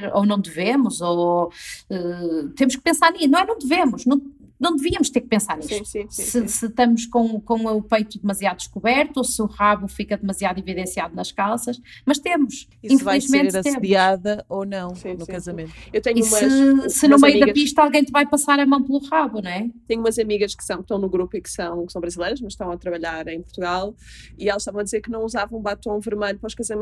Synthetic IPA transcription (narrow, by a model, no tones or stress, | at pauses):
ɾo̰nɐ̃w̃d̪ɨvemuzo | ɛt̪emʊʃk̚ɨ̥pẽsaɾninɐ̃w̃ɛnɐ̃w̃d̪ɨvemuʃnɐ̃w̃ | nɐ̃w̃d̪ɨviɐmʊʃt̪eɾk̚pẽsaɾnisusĩsɨsɨt̪ɐmʊʃkõkõw̃upejt̪uðɨmɐziaðud̪ɨʃkuβɛɾt̪uosɨuʁaβufikɐðɨmɐziaðiviðẽsiaðunɐʃkalˠsɐʃmɐʃt̪emuʃ | iĩfvaiʒmẽnt̪ɾɐt̪eðiaðɐonɐ̃w̃sĩnukɐzɐmmẽnewt̪ɛɲiuumɐsɨnumɐjuiðɐɐpiʃt̪ɐalˠɣɐ̃j̃t̪ɨvajpɐsaɾɐmɐ̃w̃plˠuʁaβuñɛt̪ɛɲuumɐzɐmiɣɐʃkɨ̥ʃt̪ɐ̃w̃kʃt̪ɐ̃w̃nuɣɾupuikɨ̥sɐ̃w̃kɨsɐ̃w̃bɾɐzilˠɐjɾɐʃmɐʃt̪ɐ̃w̃ɐt̪ɾɐβɐʎaɾɐ̃j̃puɾt̪uɣalˠ | iɛlˠɐʃt̪avɐ̃w̃ɐðizeɾkɨnɐ̃w̃uzavɐ̃ũbat̪õvɨɾmɐʎupɾɔʃkɐzɐmẽ